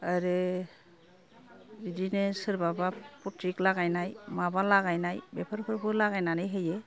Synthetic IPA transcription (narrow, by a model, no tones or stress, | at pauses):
aɾe | idinesɯɾbabaputɾiklaɡajnajmabalaɣajnajbɛpʰaɾkʰɯɾkʰɯlaɣajnanɯjɦɯjɛ